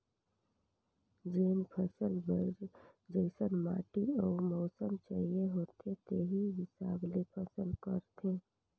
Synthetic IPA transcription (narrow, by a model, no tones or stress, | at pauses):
d͡ʒeːnpʰəsəlbəɾd͡ʒd͡ʒəɪsənma̰ːʈiɔːɾmɔːsəmt͡ʃaːɦieɦoːt̪ʰet̪eɦiɦɪsaːblepʰəsəlkəɾt̪ʰẽ